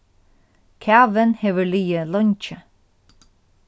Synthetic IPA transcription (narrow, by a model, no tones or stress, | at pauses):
kʰæːʋənheːʋəliːəlɔnt͡ʃə